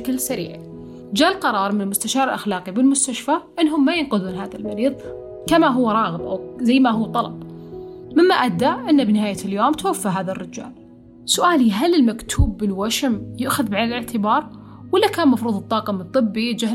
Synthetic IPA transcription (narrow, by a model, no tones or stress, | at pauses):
klsaɾḭːʕi | d͡ʒaːlqɑɾˤɑːɾˤmɪnɪlmʊst̪aʃɑːɾɪlʔaxlaːqibɪlmʊst̪aʃfaʔɪnːɦʊmːajɪnqʊðuːnɦaːðalmaɾiːðˤ | kamaɦʊwːɾˤɑːɣɪmʔa̰wzajːmaɦʊwːt̪ˤɑlɑ̰b̥ | mɪmːaʔad̪ːaʔɪnːabnɪɦaːjaljoːmt̪awafːaɦaːðarːɪd͡ʒa̰ːl | sʊʔaːliɦalɪlmakt̪ʰuːbːɪlwaʃɪmjʊʔxʊðbʕanɪlɪʕt̪ʰɪbɑːɾˤ | wɪlːakaːnmɑfɾuːðˤɨt̪ˤːɑːqɑmnt̪ˤːɨbːid͡ʒa